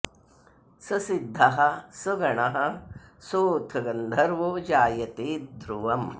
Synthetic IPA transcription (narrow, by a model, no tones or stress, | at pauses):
sɐsid̪ʱːɐɦɐsɐɡɐɳɐɦɐsoːt̪ʰɐɡɐnd̪ʱɐɾʋoːd͡ʒaːjɐt̪eːd̪ʱɾuʋɐm